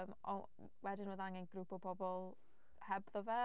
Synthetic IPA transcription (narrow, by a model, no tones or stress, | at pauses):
mɔ̰ | wɛdɪnəðaŋɪnɡ̥ɾupʰɔpʰɔbɔlˠ | hɛbðɔvɛ